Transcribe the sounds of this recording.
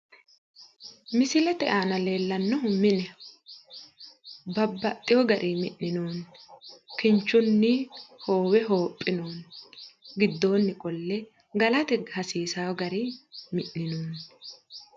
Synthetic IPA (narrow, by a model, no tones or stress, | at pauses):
mɪsɪlɛt̪ɛ̰ʔaːnɐle̞ːlːɐnːɔɦʊmːɪnɛ | bɐbːɐt̪ʼːɪjɔɡɐɾʔimɪʔːɪnoːn | kɪnt͡ʃːʊnːɪho̞ːwɛɦo̞ːpʼːɪnoːn | ɡɪd̪ːo̞ːnːɪkʼɔlːɛ | ɡɐlɐt̪ɛhɐsiːsaɡɐɾimɪʔːɪnoːn